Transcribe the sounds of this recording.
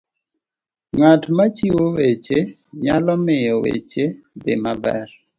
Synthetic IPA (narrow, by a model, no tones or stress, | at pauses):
ŋatmat͡ʃiwowet͡ʃe | ɲalɔmɪjɔwḛt͡ʃebɪmabɛr